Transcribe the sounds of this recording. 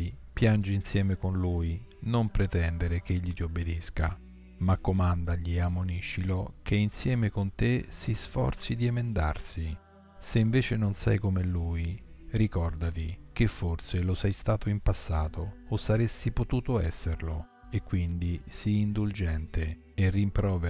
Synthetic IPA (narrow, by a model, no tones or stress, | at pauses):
ipjand͡ʒiinsjɛːmekonluːjnompɾet̪ɛnd̪eɾek̟eʎːit̪iobːed̪iska̰ | makːomand̪aʎːieamːoniʃːilokʰeinsjɛːmekont̪esisfɔ̰rt̪sid̪iemend̪a̰rsi | seiɱveːt͡ʃenonsɛ̰jkomeluːjrikɔrd̪at̪ikefːort̪selosɛjst̪aːt̪oimpasːaːt̪oːsːaɾesːipot̪uːt̪oɛ̰sːeɾlo | ekːwind̪isiːnd̪uld͡ʒɛnt̪eː | rːimpɾɔːve